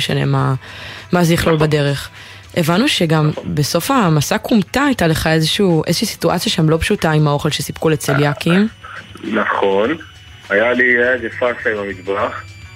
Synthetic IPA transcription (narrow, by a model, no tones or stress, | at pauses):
eʃanḛmamazejiχlolbade̞ʁe̞χ | ʔe̞vanuʃe̞ɡambeso̞famasakʰumtaːjtaleχae̞zeʃuːʔezeʃisi̥tua̰t͡sjaʃamlo̞pʃutaimao̞χelʃesipkulet͡seljakimnaχo̞n | ajaliezefasaimamit̪baχ